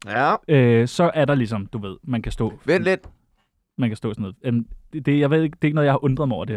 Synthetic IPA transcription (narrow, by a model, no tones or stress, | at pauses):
øsɒ̽ʔæɐɾɑ̈lis̬ɒ̽md̥uʋe̝ð̞̰ˠmænkʰæsd̥ɔ̰̽ːʋeled̥ | mænkʰæsd̥ɔ̰̽ːsnð̩ˠemnd̥e̝jɑ̈ɪʋḛeɡ̥d̥e̝eɡ̥nɔðˠɑ̈ɪhɑ̈ʔɔ̽nd̥ʁɐðˠmɒ̰ʊɐd̥e̝